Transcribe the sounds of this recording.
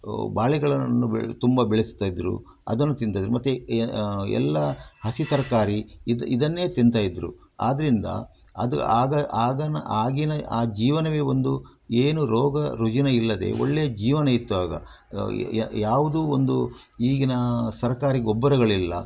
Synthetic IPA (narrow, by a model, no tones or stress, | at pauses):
baːɭiɡɐɭɐnːubt̪umbɐbeɭesu̥t̪ːaːjid̪ɾṵ | ɐ̰d̪ɐnːut̪int̪aːid̪ɾumɐt̪ːu | ɛ̰lːɐhɐsit̪ɐɾɐkaːɾid̪id̪ɐnːe̞ːt̪int̪aːjid̪ɾṵ | a̰ːd̪ɐɾind̪ɐ̰ | ɐ̰d̪aːɡɐaːɡɐnɐʔaːɡinɐʔaːd͡ʒiːʋɐnɐʋe̞ːond̪ueːnuɾɔːɡɐɾud͡ʒɐnɐilːɐd̪e̞̰ːo̰ɭːejɐd͡ʒiːʋɐnɐit̪ːuaːɡɐ̰ | jaːʋud̪uːond̪uiːɡinɐsɐɾɐkaːɾiɡɔbːɐɾɐɡɐɭilːɐ̰